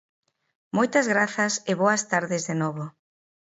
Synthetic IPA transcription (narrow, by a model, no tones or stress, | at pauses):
mojt̪ɐzɣɾaθɐsɪβoɐst̪aɾðɪzðenoβo